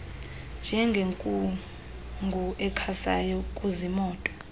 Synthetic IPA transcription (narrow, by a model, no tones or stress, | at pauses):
nd͡ʒʱɛŋɡʱeŋkʼu | ŋɡʱuʔɛkʰasa̰jɔkʼuzimɔːtʼɔ